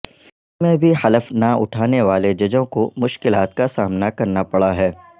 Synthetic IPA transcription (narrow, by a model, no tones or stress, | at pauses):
mẽbʱihɐləfnaʊ̰ʈʰaːneʋaːled͡ʒɐd͡ʒõkomʊʃkɪlaːt̪kasaːmnakɐɾnapɐɽaɦɛː